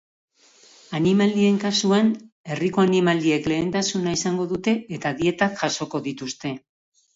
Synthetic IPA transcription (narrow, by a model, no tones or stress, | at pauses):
animald̪ie̞ŋkasuan | e̞riko̞animald̪ie̞kle̞ːnt̪asunaisaŋɡo̞ðut̪e̞ːt̪aðie̞t̪akʝaso̞ko̞ðit̪ust̪e̞